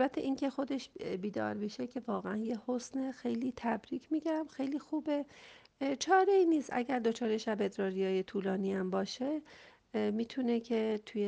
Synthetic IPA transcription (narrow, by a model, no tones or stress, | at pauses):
lbæt̪ʰːeʔiːŋcʰe̞xo̞d̪e̞ʃbiːd̪ɒ̰ːɾbiʃecʲʰe̞vɒːɣeænjehosnexejliːt̪ʰæbɾiːcʰmiːɟæmxe̞jliːxuːbe̞ | t͡ʃʰɒːɾeiːniːst̪ʔæ̰ɟæɾd̪o̞t͡ʃʰɒːɾeʃæbed̪ɾɒːɾijɒːjet̪ʰuːlɒːniæmbɒːʃe̞ | miːt̪ʰunecʰe̞t̪ʰuje